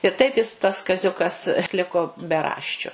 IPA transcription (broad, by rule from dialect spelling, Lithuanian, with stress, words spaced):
ɪr ˈtɐɪp jɪs tɐs kɐˈzʲʊkɐs ˈlʲɪkoː bʲɛˈrɑːʃʲt͡ʃʲʊ